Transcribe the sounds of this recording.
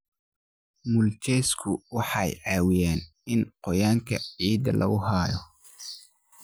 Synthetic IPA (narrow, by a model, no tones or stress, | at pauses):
mʊlt͡ʃɛskʰʊwɑħɑjʕɑːwɪjaːn | ɪnqɔjaːŋkʰɐʕiːd̪ɐ̰lʔɐ̰ɣʊɦaːjɔ